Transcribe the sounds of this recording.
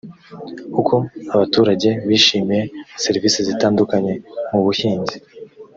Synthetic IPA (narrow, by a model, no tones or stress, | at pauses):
kukʰo̞aβatuːɾaɟe̞βiːʃiːmije̞se̞ɾiviːsizitaːndukaɲe̞muβuhiːnzi